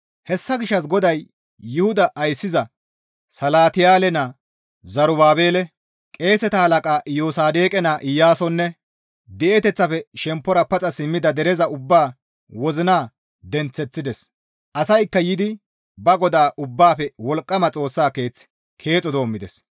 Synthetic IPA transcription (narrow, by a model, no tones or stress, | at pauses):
hɛsːɐɡɪʃːɐsɡɔd̪ɐjː | ʊhʊd̪ɐʔːjsːɪzɐ | sɐlaːt̪ɪjaːlɛnɐ | zɐɾʊbaːbe̞ːlɛ | kʼe̞ːsɛt̪ɐhɐlɐkʼaːʔɪjoːsaːd̪eːkʼɛnaʔɪjːaːsɔnːɛ | d̪ɛʔɛt̪ɛt͡sːɐfɛʃɛmpːɔɾɐpɐt͡sʼɐsɪmːɪd̪ɐd̪ɛɾɛzɐʊbːaː | wɔzɪnaː | d̪ɛnt͡sːɛt͡sːɪd̪ɛs | ʔɐsɐjkːɐjɪd̪ɪ | bɐɡɔd̪aːʔʊbːaːpɛwɔlkʼːɐmɐt͡sʼo̞ːsːaːke̞ːt͡s | kʰe̞ːt͡sʼɔd̪o̞ːmːɪd̪ɛs